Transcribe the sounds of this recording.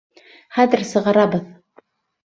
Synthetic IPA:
χæðɘɾsɤ̆ʁɑɾɑbɤð

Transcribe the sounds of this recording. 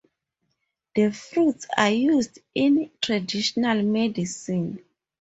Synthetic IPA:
d̥əfɹutsa̰jusdĩntʰɹadiʃɔnalmɛdisĩn

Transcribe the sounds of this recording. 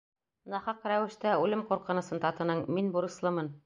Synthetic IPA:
nɑχɑqɾæwɘ̆ʃt̪æʉlɘmquɾqɤ̆nɤ̆sɤnt̪ɑt̪ɤ̆nɤɴminbuɾɤ̆slˠɤmɤn

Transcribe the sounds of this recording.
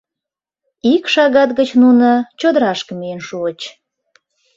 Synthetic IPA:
ikʃɑɣɑt̪ɣət͡ɕnunət͡ɕod̪əɾɑʃkəmienʃuət͡ɕ

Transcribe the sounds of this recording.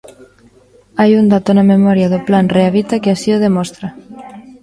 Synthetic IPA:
ajund̪at̪onamemɔɾjaðoplanreaβit̪akeasioð̞emɔst̪ɾa

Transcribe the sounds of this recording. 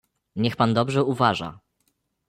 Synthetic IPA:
ɲɛxpand̪ɔbʐɛuvaʐa̰

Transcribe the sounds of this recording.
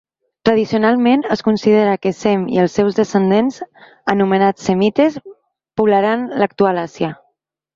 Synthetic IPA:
t̪ɾəðisiunalˠmenəskunsið̞eɾəkəsɛmḭəlˠsːɛwzðəsənd̪enz | ənumənasəmit̪es | puβlaɾanlək̚t̪ualasjə

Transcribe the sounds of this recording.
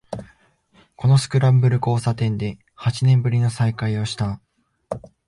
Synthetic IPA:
ko̞no̞sɨ̥kɯ̟ɾabɯ̟ɾɯ̟ko̞ːsat̪ẽ̞nd̪e̞ | hat͡ɕinẽ̞mbɯ̟ɾʲino̞saikaio̞ɕi̥t̪a

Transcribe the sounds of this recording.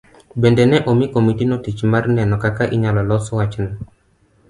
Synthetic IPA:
bɛndɛnɛʔomikomitinotit͡ʃmarnɛnɔkakaʔiɲalɔlɔsɔwat͡ʃn

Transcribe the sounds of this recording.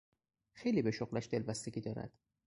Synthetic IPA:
xe̞jliːbe̞ʃoɣlæʃd̪e̞lbæst̪eɡiːd̪ɒːɾæ̰d̪̥

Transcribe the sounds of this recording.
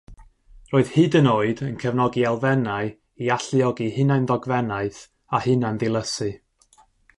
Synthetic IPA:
roːɨð̥hɨdənoːɨdənkʰɛvnɔɡialˠvɛnaɨ | iaɬiɔɡihɨnaɨndɔɡvɛnaɨθ | ahɨnanðɪlˠəsɨ

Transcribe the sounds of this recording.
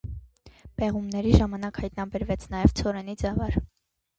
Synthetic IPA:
bɛʁumnɛɾiʒɑmɑnɑkhɑjt̪nɑbɛɾvɛt͡sʰn̪ɑjɛvt͡sʰɔɾɛnid͡zɛvɑɾ

